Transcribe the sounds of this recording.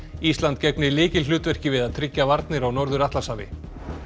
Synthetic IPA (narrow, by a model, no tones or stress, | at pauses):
ist̪lant̪̚cɛk̚nɪlɪːcɪlʏːt̪vɛr̥cɪvɪðaðt̪ʰɾɪcːavaɾt̪nɪɾawnɔɾðʏɾaht̪lasaːvɪ̰